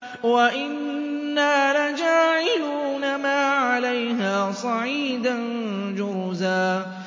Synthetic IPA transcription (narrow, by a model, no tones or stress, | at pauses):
waʔɪnː | aːlad͡ʒaːʕɪluːnamaːʕalajɦaːsˤɑʕiːd̪an | d͡ʒʊɾzaː